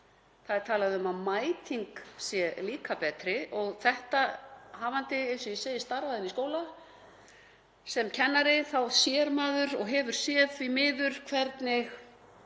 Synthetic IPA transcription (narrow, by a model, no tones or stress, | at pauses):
θaðɪɾ̥t̪ʰaːlaðɪʏmaðmaːjt̪ʰiŋksjɛliːkapɛːt̪ɾɪʔɔɣθɛht̪aɦaːvant̪ɪɛsʏiseːjɪst̪aɾvaðɪniskoːwla | sɛmcʰɛnːaɾɪθawsjɛɾmaːðʏɾɔɣɦɛːvʏɾ̥sjɛːðimɪːðʏɾ̥kʰvɛɾt̪nɪx